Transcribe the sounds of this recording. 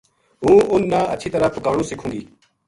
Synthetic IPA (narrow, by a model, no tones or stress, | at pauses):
ɦũːʊnːãːəʃʰiːt̪əɾaːpʊkaːɽũːsɪkʰũːɡiː